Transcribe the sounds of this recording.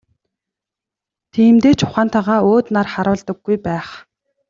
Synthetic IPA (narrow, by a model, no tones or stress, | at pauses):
t̪ʰiːmt̪eːt͡ɕʰʊ̥χaːn̥t̪ʰaʁaːoːt̪narχaɾʊːɮt̪ə̆ɡːujpæːχ